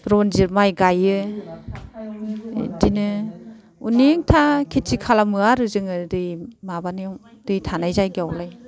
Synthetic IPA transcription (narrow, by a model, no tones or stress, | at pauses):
ɾɔnziɾmajɡajɯ | dinɯ | uneŋtʰakʰetʰikʰalamɯaɾɯzɯŋɯdɯjmabanɯ | d̥ɯjtʰanajzajɡawlaj